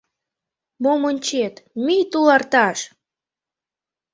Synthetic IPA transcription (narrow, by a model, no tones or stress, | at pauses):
momənʲt͡ɕet̪mijt̪ulɑrt̪ɑʃ